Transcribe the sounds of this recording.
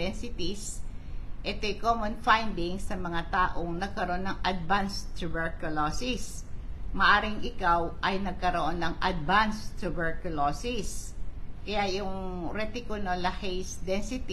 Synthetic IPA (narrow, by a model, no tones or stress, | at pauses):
ɛnsɪt̪is | ʔɛt̪ojkomonfajnd̪ɪŋsɐmɐŋat̪aːʔoŋnɐɡ̚kɐɾoʔonːɐŋʔɐd̪̚vanst̪ʊbɛɹkʊlosɪs | mɐʔaːɾɪŋʔɪkawʔɐjnɐɡ̚kɐɾoʔonːɐŋʔɐd̪̚vanst̪ʊbɛɹkʊlosɪskɐjajʊŋɾɛt̪ɪkʊnolɐhejsd̪ɛnsɪt̪